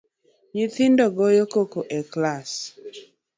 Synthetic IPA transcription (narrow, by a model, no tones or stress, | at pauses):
ɲɪt̪ɪndɔɡɔjokokoʔɛklas